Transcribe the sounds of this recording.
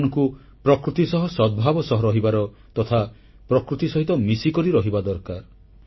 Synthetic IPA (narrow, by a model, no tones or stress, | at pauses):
nɔŋku | pɾɔkɾut̪isɔɦɔsɔd̪̚bʱabɔsɔɦɔɾɔɦibaɾɔ | t̪ɔt̪ʰa | pɾɔkɾut̪isɔɦit̪ɔmisikɔɾiɾɔɦibad̪ɔɾkaɾ